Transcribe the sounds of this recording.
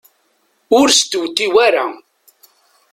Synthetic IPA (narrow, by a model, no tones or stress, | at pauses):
ʊɾst̪wt̪ːiwæɾa̰